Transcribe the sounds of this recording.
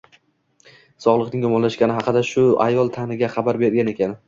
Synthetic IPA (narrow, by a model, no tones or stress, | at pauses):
sɒʁlˠɨqnɪŋjɒmɒnlaʃɡʲanɪɦɑqɨd̪aʃʊa̰jɒlˠt̪ʰanɪɡʲaχɑbaɾbeɾɡʲane̞kʲʰan